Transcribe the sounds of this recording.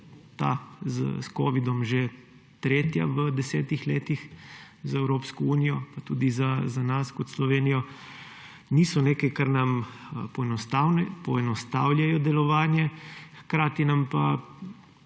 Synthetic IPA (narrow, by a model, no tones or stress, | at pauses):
t̪a̰z̰skoːʋid̪ɔmʒe | t̪ɾeːt̪ja̰ʋəd̪ɛsɛːt̪ixleːt̪ix | zaɛwɾoːpskɔuːnijɔpat̪uːd̪izazanaskɔt̪slɔʋeːnijɔ | niːsɔneːkajkaɾnampɔnɔst̪awnɛpɔɛnɔst̪aːwlʲjajɔd̪ɛlɔʋaːnjɛxkɾaːt̪inampa